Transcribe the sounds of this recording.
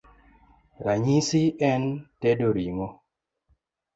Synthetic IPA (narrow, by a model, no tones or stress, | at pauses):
ɾaɲisiɛntɛdoɾiŋo